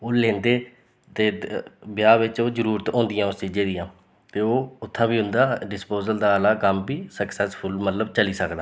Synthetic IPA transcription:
oːlẽːnd̪eː | t̪eːbɪjaːʋɪt͡ʃoːzəɾuːɾət̪õːnd̪ɪjãːʊst͡ʃiːd͡ʒẽːd̪ijãː | t̪eːoːʊt̪ʰːãːbiːɦʊ̃nd̪aːɖɪspoːzəld̪aːəlaːkəmbiːsəksɛspʰʊlmət̪ləbt͡ʃəliːsəkd̪aː

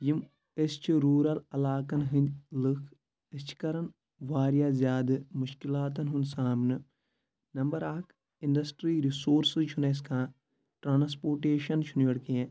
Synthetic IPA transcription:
jim | est͡ʃʰiɾuːɾɐlɐlaːkɐnɦɨ̃nʲd̪ʲlɨkʰ | ɨst͡ʃʰi̥kɐɾɐn | ʋaːɾjaːzʲjaːd̪ɨmuʃkilaːt̪̬ɐnɦunsaːmnɨ | nɐmbɐɾaːkʰ | inɖɐsʈɾiːɾisoːɾsɨt͡ʃʰunes̬kãː | ʈɾaːnspoːɾʈeːʃɐnt͡ʃʰunʋɐɽkiẽ

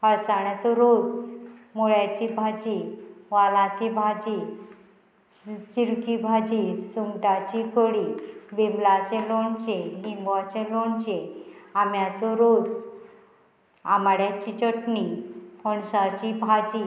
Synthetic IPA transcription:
həɭsaɳjat͡sɔɾod͡zmoɭjat͡ɕibʱad͡ʑiʋalat͡ɕibʱad͡ʑi | t͡ɕiɾkibʱad͡ʑisuŋʈat͡ɕikoɽibemblat͡ɕeloɳt͡ɕelimbat͡ɕeloɳt͡ɕeamjat͡sɔɾod͡z | amɽjat͡ɕit͡ɕəʈnipɔɳsat͡ɕibʱad͡ʑi

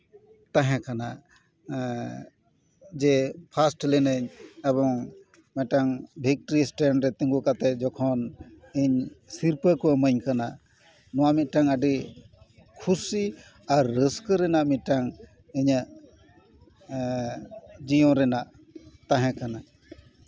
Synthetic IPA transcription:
t̪aɦɛ̃kanaʔ | d͡ʒɛpʰasʈlɛnəɲɛbɔŋ | mɛ̃ʈaŋbʱik̚ʈɾisʈɛɳɖɾɛt̪ĩŋɡukat̪ɛd͡ʒɔkʰɔn | iɲsiɾpəkɔməɲkanaʔ | nɔwamit̪̚ˀʈaŋəɖi | kʰusi | aɾːəskɾɛnaʔmit̪̚ʈaŋ | iɲaʔ | d͡ʒijɔ̃ɾɛnaʔ | t̪ãɦɛ̃kanaʔ

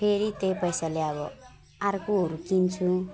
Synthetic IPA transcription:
pʰeɾit̪ejpʌjsaleʌβʌ | arkuɦʌɾukint͡sʰu

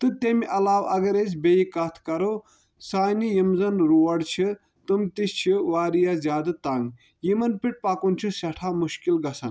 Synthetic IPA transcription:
t̪ɨt̪emiʔɐlaːʋɐɡɐɾes̬ʲbejikɐt̪ʰkɐɾo | saːnijimzɐnɾuːɐɽt͡ʃʰi | t̪ɨmt̪ist͡ʃʰiʋaːɾijazʲjaːd̪ɐt̪aŋɡ | jimɐnpiʈ̚paːkunʲt͡ʃʰisɐʈʰaːmuʃkilɡɐsɐn

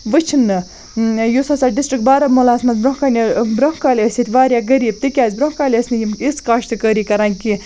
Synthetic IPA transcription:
ʋɨt͡ʃʰinːɨ | jusɐsaːɖisʈɾikbaːɾɐmolaːsmɐnt͡sbɾɐŋkanʲibɾɐŋkaːlʲiəsʲit̪ʰʲʋaːɾʲjaːɡɐɾiːb̚t̪ɨkʲaːzʲbɾɐ̃ŋkaːlʲəsʲnɨjimiskaːʃt̪ɨkəɾiːkɐɾaːnki

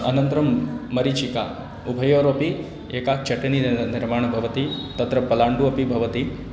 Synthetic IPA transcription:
ɐnɐnt̪ɾɐmːɐɾit͡ʃika̰ | ubʱɐjoːɾɐpi | eːkat͡ʃɐʈɐniniɾmaːɳbʱɐʋɐt̪it̪ɐt̪ɾɐpɐlaːɳɖuɐpibʱɐʋɐt̪i

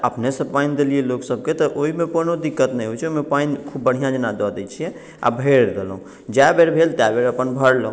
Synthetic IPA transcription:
əpnesəbpaind̪elijeloksəb̚ket̪ɔʔoɦimekonod̪ikːət̪nɛjɦojt͡ʃʰomepainkʰubːəɽ̤ijãd͡ʒənad̪ɔd̪ɛt͡ʃʰijɛ̃ | a̰bʱeɾd̪elɦũ | d͡ʒabeɾbʱelt̪jabeɾəpənbʱəɽləɦũ

